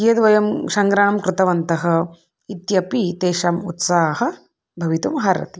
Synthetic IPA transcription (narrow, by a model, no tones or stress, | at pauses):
ijɐd̪ʋɐjɐmsɐŋɡɾaːɐmkɾɪt̪ɐʋɐnt̪ɐɦɐ̆ | it̪jɐpit̪eːʃɐmut̪saːɦɐ̆ | bʱɐʋit̪umɦaːɾɐ̰t̪i